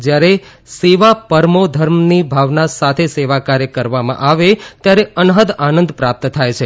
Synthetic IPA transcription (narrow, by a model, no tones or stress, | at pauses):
d͡ʒjaɾe | seʋapəɾmod̪ʱəɾmnibʱaʋnasat̪ʰeseʋakaɾjəkəɾʋamã̰ʔaʋet̪jaɾeənɦəd̪anənd̪pɾap̚t̪t̪ʰajt͡ʃʰe